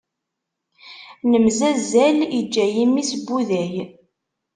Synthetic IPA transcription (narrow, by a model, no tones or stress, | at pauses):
nəmzæzælid͡ʒːæjimːisbːuðæj